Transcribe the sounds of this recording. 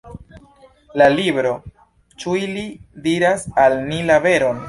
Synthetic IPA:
lalibɾo̞ | t͡ʃuilidiɾasalnilabe̞ɾo̞n

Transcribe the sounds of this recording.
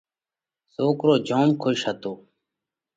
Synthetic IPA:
soːkɾoːd͡ʒoːmkʰoʃɦət̪oː

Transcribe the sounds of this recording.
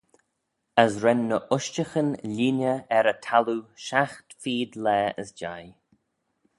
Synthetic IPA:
əsɾɛnːəʔʊʃt͡ʃəxənliːnjəɛɾətʰaluʃaxtfiːdlɛːə̰sd͡ʒa̰j

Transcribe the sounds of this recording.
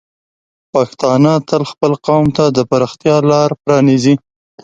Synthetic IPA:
paxt̪ɑnɑt̪əlxpəlqɑwmt̪ad̪əpaɾɑxt̪jɑlɑɾpɾɑnizi

